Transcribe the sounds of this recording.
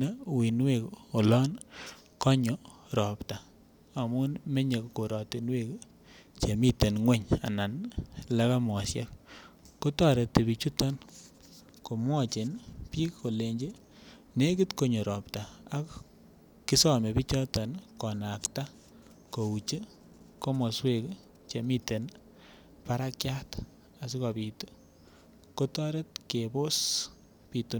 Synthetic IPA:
e˦˨wi˨nwe˨ko˨lɔ˦n | kɔ˦ɲɔ˨ɾɔ˨pta˨ | a˨mʊ˦nme˦ɲe˨ko˨ɾɔ˨ti˨nwe˦k | t͡ʃe˨mi˦te˨nŋwe˦ɲa̰˨na˨nla˦ka˦mɔ˨sja˦k̚ | ko˦tɔ˦˨ɾe˨te˨bi˨t͡ʃu˦tɔ˦n | ko˨mwɔ˦˨t͡ʃe˨npi˦kːo˨le˨ɲd͡ʒe˦ | ne˦ki˦tko˨ɲɔ˨ɾɔ˨ptaː˨˦k | ki˦sɔ˦me˨pi˦t͡ʃɔ˦tɔ˨nkɔ˨na˨kta˦ | ko˨u˨t͡ʃe˦ | ko˦mɔ˨swe˦k | t͡ʃe˨mi˦te˨n | paɾa˦kja˦t | a˨s̬i˦ka˨pito˦ | ko˦tɔ˦ɾe˦t̚ke˨bo˦s | pi˨tu˦n

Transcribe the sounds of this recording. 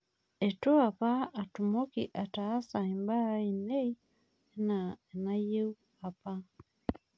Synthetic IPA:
e˨tu˦a˨paː˦˨tu˨mo˦ki˨ʔa˨taː˨˦sa˨i˨mba˦i˨ne˦i˦ | na˨e˨na˦je˦u˦ | a˨pa˦

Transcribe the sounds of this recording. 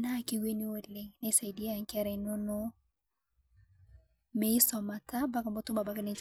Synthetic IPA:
na˦˨ki˦we˦ni˦o˦le˦ŋnɛ˦i˦sa˨i˨di˦e˦a˨ŋ˦kɛ˦ɾɛ˨nɔ˦no˦ | me˨˦ɪ˦sɔ˨ma˨ta˦ba˦ka˨mɔ˦tʊ˦ma˨ba˦ka˦ne˨t͡ʃ

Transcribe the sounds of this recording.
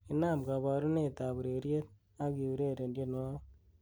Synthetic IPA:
i˦na˦˨mɡa˨βɔ˨ɾu˦ne˨ta˨βu˨ɾe˨ɾje˦t̚ | a˦ki˨u˨ɾe˦ɾe˨ndje˦n˦a˦

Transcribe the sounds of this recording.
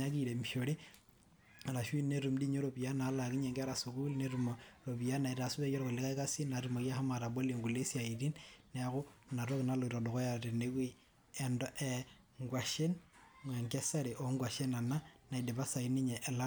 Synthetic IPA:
a˦ki˨ɾe˨mi˨ʃo˨ɾi˦˨ | ɾa˨ʃwi˦ne˦ɾu˨mdi˦ɲo˦ɾo˨bi˨a˦na˨˦la˨ki˦ɲe˨ŋɡa˦ɾa˨su˨ku˦lne˦ɾu˨mɔɾo˨βi˨a˦na˨i˨ɾa˨su˦βe˦jɔ˦ɾoɣo˨le˦ka˦ka˦si˦na˨ɾu˨mo˨kja˦ha˦ma˨ɾa˨bo˦le˨ŋɡu˨le˦si˦a˨i˨ɾi˦nːɛ˦ɣʊ˦na˨ɾo˦ki˨na˦lo˨ɾɔ˨dɔ˨ɣɔ˦ja˨ɾe˨ne˦kwi˦ | ɛ˨ndɔ˦ʔɛ | ŋɡwa˨ʃe˦nma˨ŋɡɛ˦sa˦ɾe˨ʔo˨ŋɡwa˨ʃe˦na˨na˦na˨i˨de˨βa˦sa˨i˦ni˦ɲɛ˨ʔːla˦

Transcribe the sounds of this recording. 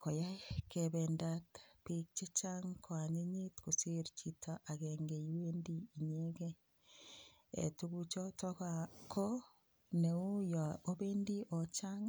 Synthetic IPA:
ko˨ja˦kebendatpik̚t͡ʃe˦t͡ʃaŋkʰwaɲe˦ɲi˦tku˨seɾt͡ʃitʰaʔa˨keŋɡe˨iwendiːɲeke | ḛ˨tuku˦t͡ʃo˦tɔ˦kakʰo˦ | neu˦ja˨o˦be˦ndi˦ʔo˨t͡ʃaŋ

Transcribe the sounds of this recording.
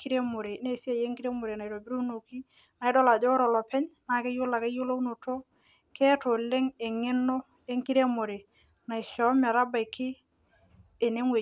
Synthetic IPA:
ki˦ɾe˦mo˨ɾe˨ne˦˨si˦a˨je˦ŋkiɾe˦mo˨ɾe˨na˨jɾo˨bi˦ɾo˦u˦no˨ki˦ | na˨ɪ˦dɔ˦la˨d͡ʒɔ˦ɾɔ˨lɔ˨pɛ˦ɲna˨˦ke˦jo˦la˨ke˦jo˦lo˦u˦no˨to˦ | ke˦to˨le˦ŋe˨ŋe˦nːo˦ | e˦ŋki˦ɾe˦mo˨ɾe˨ | na˨ɪ˨ʃɔ˨˦mɛ˨ɾa˦ba˨ɪ˨kɪ˦˨ | ne˦ŋwe˨

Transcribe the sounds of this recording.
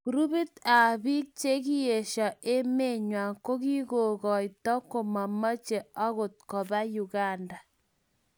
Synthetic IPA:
ku˨ɾu˦bi˦ta˨bi˦k̚t͡ʃe˦k̬i˦je˨ʃɔ˨ʔe˦me˦ɲwa˨ŋko˦ki˦ko˨ɣɔ˨jtɔ˦ko˨ma˨mɔ˦t͡ʃe˨a˦ɣo˨t̚kɔ˨ba˦ju˨ɡa˦˨nda˨

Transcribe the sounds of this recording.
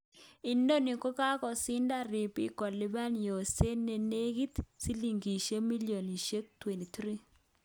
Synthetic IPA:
i˨ndo˦ni˨ko˦ka˦kɔ˨sɪ˦nda˦˨ɾi˨pi˦kɔ˨li˦ba˦n˨jo˨se˦nːe˨ne˦ɡi˦t̪si˦li˨ŋɡi˨ʃe˦mi˦ljo˨ni˨ʃe˦k̚t̪we˨ni˨t̪ɾi˦

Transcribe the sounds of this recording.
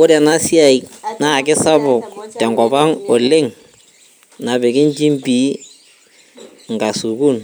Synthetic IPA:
ʊ˦ɾɛ˨na˦si˦a˨i˨na˦˨kɪ˦sa˦bʊ˨k̚tɛ˨ŋɡɔ˨ba˦ŋɔ˨lɪ˦ŋ | na˨bɪ˨kɪ˦nt͡ʃi˦mbi˨˦ | ŋ˨ɡa˨su˨ku˦n

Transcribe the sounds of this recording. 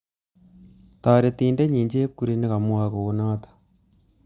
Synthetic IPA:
taː˨ɾetiː˨nde˦ɲiː˨ɲd͡ʒe˦ku˦ɾi˦ne˦ɣa˨mu˦a˦ko˨ɣu˦naː˦tḁ

